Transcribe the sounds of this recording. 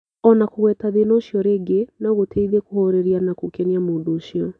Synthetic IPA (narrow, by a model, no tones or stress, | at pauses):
ɔnakoɣwɛːtaðenoʃjɔɾeːɡenaɣotʰeiðekohoɾeɾianakokɛniamoːdoːʃijɔ